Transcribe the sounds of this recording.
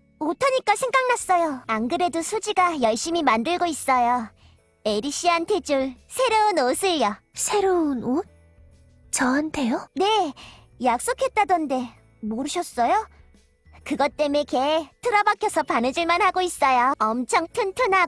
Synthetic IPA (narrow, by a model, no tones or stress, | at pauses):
otʰʌɲik͈asʰe̞ŋɡaŋnas͈ʌjoaŋɡɯɾe̞dosʰod͡ʑiɡajʌɭɕ͈imimandɯɭɡois͈ʌjo | eɾiɕ͈iantʰe̞d͡ʑuɭsʰe̞ɾoɯnosʰɯʎjʌsʰe̞ɾoɯnot̚ | t͡ɕʌantʰe̞jone̞ | jak̚s͈okʰe̞t̚t͈adʌnde̞ | moɾɯɕʰʌs͈ʌjo | kɯɡʌt͈e̞meketʰɯɾʌbakʰjʌsʰʌpanɯd͡ʑiɭmanhaɡois͈ʌjoʌmt͡ɕʰʌŋtʰɯntʰɯna